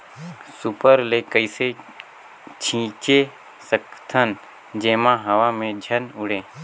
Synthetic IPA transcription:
supəɾlekəise | t͡ʃʰĩːt͡ʃe | səkt̪ʰən | d͡ʒeːmãɦəʋamẽd͡ʒʱənʊɽẽː

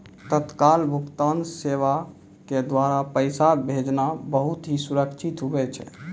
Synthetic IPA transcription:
t̪ət̪kalbʱukt̪anseʋa | ked̪waɾapəɪsabʱed͡ʒnabəɦut̪ɦisuɾəkt͡ʃʰit̪ɦobɛt͡ʃʰɛ̰

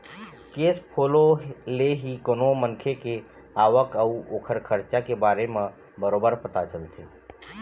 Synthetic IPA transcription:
keːspʰololeɦikonomənkʰeke | aːʋəkəuoːkʰəɾkʰəɾt͡ʃakebaːɾemẽ | bəɾoːbəɾpət̪at͡ʃəlt̪ʰe

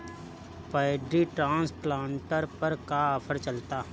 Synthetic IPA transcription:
paɪɖɾiʈɾãːnsplãːɳʈəɾpɐɾkaɔfʰəɾt͡ʃɐlt̪aɦ

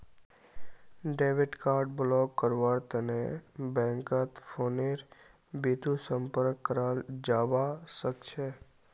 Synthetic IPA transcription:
ɖeʋiʈkaɾɖblɔkːəɾʋaɾt̪ənebɛ̃ŋkat̪foneɾ | bid̪ʱũsəmpəɾkːəɾald͡ʒaʋaʃəkt͡ʃʰe

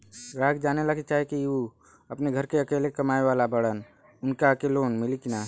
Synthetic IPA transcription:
ɾaːɡ̚d͡ʒaːnelakit͡ʃaːɦekiu | ɐpneɡʱəɾkeɐkeːlekɐmaːeʋaːlabɐɽən | ʊnkakeloːnmɪlikɪnaː

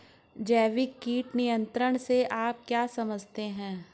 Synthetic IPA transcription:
d͡ʒɛːʋɪkːiːʈnijə̃nt̪ɾəɽ̃seʔaːp̚kjaːsɐməd͡ʒʱt̪eɦɛ̃ː

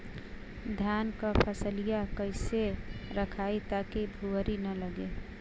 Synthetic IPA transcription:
d̪ʱjankəpʰəsəlijakəɪseɾəkʰait̪akibʱuəɾinələɡe

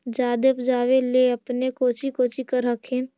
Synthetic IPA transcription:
d͡ʒaːd̪epd͡ʒaːweleəpnekoːt͡ʃikoːt͡ʃikəɾɦəkʰẽːn

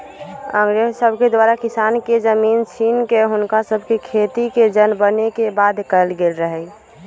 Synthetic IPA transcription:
ə̃ŋɡɾeɦsəbʱked̪waːɾakɪsaːnked͡ʒəmiːnt͡ʃʰiːnkeɦʊnkasəbʱkekʰet̪iked͡ʒənbənekebaːd̪kəlɡelɾəɦɛ

